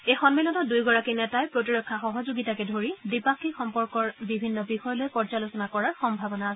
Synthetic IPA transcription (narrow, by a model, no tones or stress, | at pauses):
ejxɔnmilɔnɔdujɡɔɹakinɛtajpɹotiɹɔkʰːaxɔɦɔzoɡitakɛdʱoɹidipakʰːixɔmpɔɹkɔɹbibʱinːɔbixɔjɔlojpɔɹd͡ʒalosɔnakɔɹaɹxɔmbʱabɔnas